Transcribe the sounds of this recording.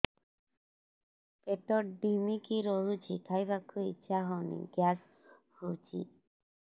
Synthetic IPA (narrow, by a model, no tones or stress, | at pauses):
pet̪ɔɖimikiɾoɦut͡ɕʰikʰajbakuit͡ʃʰaɦɔwnḭɡjas | huwt͡ʃʰḭ